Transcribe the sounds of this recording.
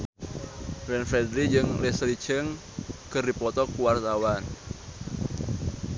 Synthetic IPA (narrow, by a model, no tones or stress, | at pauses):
vɛnfɛdɾid͡ʒɨŋlesəli̥t͡ʃəŋ | kərdipɔt̪ɔkuwart̪awan